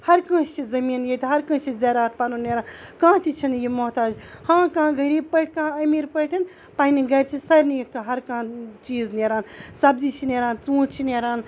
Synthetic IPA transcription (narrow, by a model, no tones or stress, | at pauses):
hɐɾkɐ̃ːst͡ʃʰizɐmiːnjet̪ʰiɦɐɾkɐ̃ːt͡ʃʰizeːɾaːt̪̚ʰpaːnuneːɾaːnkãːt̪it͡ʃʰinjimoɦt̪aːd͡ʒhãːkãːɡɐɾiːb̚pɐʈʰʲkãːɐmiːɾpɐʈʰin | paːniɡɐɾʲt͡ʃʰisɐɾnikɦɐɾkãːt͡ʃiːzneːɾaːnsɐbzit͡ʃʰineːɾaːnt͡sũːʈt͡ʃʰineːɾaːn